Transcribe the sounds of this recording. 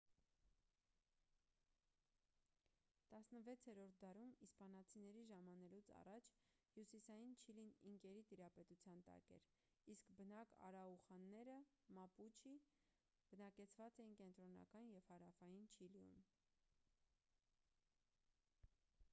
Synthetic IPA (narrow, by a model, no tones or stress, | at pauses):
t̪ɑsnəvɛt͡sʰɛɾɔɾt̪̚ʰd̪ɑɾumispɑnɑt͡sʰinɛɾiʒɑmɑnɛlut͡sʰɑ̰rɑt͡ʃʰ | hjusisɑjint͡ʃʰiliniŋkɛɾit̪iɾɑpɛt̪ut͡sʰjɑnt̪ɑ̰kɛ̰ɾ | iskbənɑkɑ̰ɾɑuχɑnːɛɾəmɑput͡ʃʰi | b̥ənɑkɛt͡sʰvɑt͡sɛjinkɛnt̪ɾɔnɑ̰kɑnjɛv̥hɑɾɑfɑjint͡ʃʰiliṵm